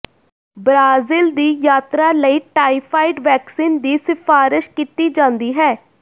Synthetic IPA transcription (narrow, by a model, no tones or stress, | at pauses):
bɾaːzɪld̪iːjaːt̪ɾaːləiːʈaːipʰaːɪɖʋɛːksiːnd̪iːsɪfʰaːɾɪʃkiːt̪iːd͡ʒãːnd̪iːɦɛː